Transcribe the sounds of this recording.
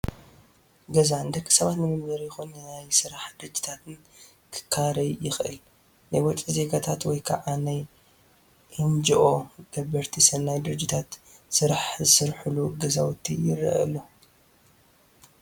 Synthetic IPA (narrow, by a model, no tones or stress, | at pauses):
ɡɐzand̪ɐkʼːi̥sɐβat̪nɨmɨmbɐɾjɪxunːnajsɨɾaħd̪ɨɾɨd͡ʒːi̥t̪ʰat̪ʰɨn | kʰɨ̥kʰːaɾɐjjɪxʔɨ̰l | najwɔt͡ʃʼize̞ɡat̪ʰat̪wɔjkʰa̰ʕanaj | hɨnd͡ʒɨʔoɡ̥ɐbɐɾt̪ʰisɐnːajd̪ɨɾɨd͡ʒːɪt̪ʰat̪ | sɨɾaħzɨsɨɾħɨluɡɐzawɔt̪ʰːijɪrɐ̰ʔɐ̰lːo